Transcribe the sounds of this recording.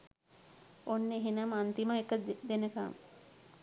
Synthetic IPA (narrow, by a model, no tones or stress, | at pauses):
onːeɦenamant̪imaekəd̪enəka̰m